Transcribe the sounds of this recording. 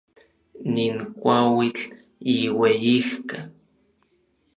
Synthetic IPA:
niŋkʷawit͡ɬ | iwejihka

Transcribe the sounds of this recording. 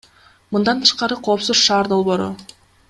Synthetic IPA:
mɯnd̪ɑnt̪ʰɯ̥ʃqɑɾɯqʰo̞ːpsuzʃɑːɾd̪o̞lˠβo̞ːɾʊ̰

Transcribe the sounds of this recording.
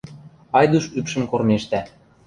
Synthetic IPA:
ɑjd̪uʃypʃə̆mkormeʃt̪æ

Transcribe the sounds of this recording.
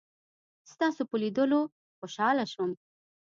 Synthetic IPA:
st̪ɑsopəlid̪əlo | xoʃɑlaʃəm

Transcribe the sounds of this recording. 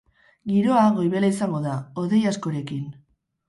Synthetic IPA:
ɡiɾo̞aɣo̞jβe̞laisaŋɡo̞ðaoðe̞jasko̞ɾe̞kin

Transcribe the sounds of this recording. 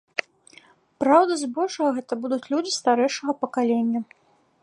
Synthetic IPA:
pɾawd̪ɐzbɔʐɐɣɐɣɛt̪ɐbud̪ut͡sʲlʲud͡zʲist̪aɾɛjʂɐɣɐpɐkalʲenʲːɐ

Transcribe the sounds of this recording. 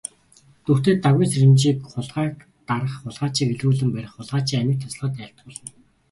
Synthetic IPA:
t̪ɵxt̪eːt̪aɣwiːnseɾɘ̆mt͡ɕiːkχʊɮʁæːk | t̪aɾə̆χːʊɮʁaːt͡ɕiːkeɮuːɮɘ̆mpæɾʲɪ̆χːʊɮʁaːt͡ɕiːŋæmʲɪ̆k̚t̪ʰḁsɮʁaːt̪ːæɬt̪̚ɢʊːɮə̆n

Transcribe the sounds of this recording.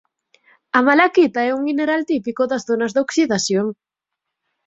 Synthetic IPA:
ɐmalakit̪aɛuŋmineɾalt̪ipikoðɐzðonɐzðoksiðasjoŋ

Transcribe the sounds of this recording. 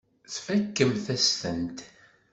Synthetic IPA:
θfækːəmθæstənt̪

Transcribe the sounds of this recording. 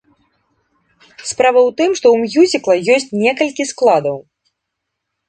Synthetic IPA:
spɾavɐwt̪ɨmʂt̪ɔwmʲjuzʲiklˠɐjɔsʲt͡sʲnʲɛkɐlʲkʲisklˠad̪ɐw

